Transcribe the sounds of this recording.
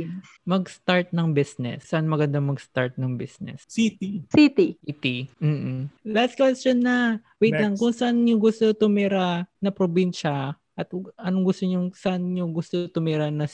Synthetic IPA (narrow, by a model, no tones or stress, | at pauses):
mɐɡst̪aɹt̪̚nɐŋbisnɛ̰sːɐʔanmɐɡɐnd̪amɐɡst̪aɹt̪̚nɐŋbisnɛ̰ssit̪isit̪iit̪im̩ːlast̪̚kwɛst͡ʃonːɐ | wejtt̪lɐŋkʊŋsɐʔanɲoɡʊst̪ot̪ʊmɛɾanɐpɾobinʃɐ | ʔɐt̪̚ʔɐnoŋɡʊst̪oɲʊŋsɐʔanɲoŋɡʊst̪ot̪ʊmɛɾanɐ